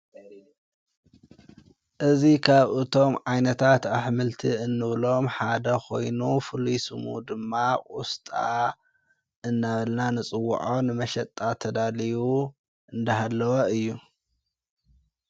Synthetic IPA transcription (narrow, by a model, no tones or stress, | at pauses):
ʔɨzikʰaβʔɨt̪ʰo̞mʕajnɐt̪ʰat̪aħmɨlt̪ʰiɨnːɨβlo̞mħad̪ɐkʰo̞̰jnufɨlujsɨmṵd̪ɨmːakʼust̪ʼa̰ | ʔɨnːaβɐlnanɨt͡sʼɨwːṵʕonɨmɐʃɐt̪ʼːat̪ʰɐd̪aliwu | ʔɨnd̪ɐɦalːɐwɐɨjːu